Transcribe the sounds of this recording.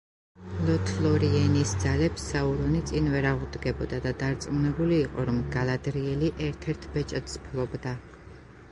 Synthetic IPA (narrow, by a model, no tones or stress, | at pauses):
lɔt̪ʰlˠɔɾiɛnisd̪zalɛpsːauɾɔnit̪sʼinvɛɾaʁud̪ɡɛbɔd̪ad̪ad̪aɾt̪sʼmnɛbuliːqʼɔɾɔmɡalad̪ɾiɛliʔɛɾt̪ʰɛɾt̪ʰbɛt͡ʃʼɛt̪spʰlˠɔbd̪a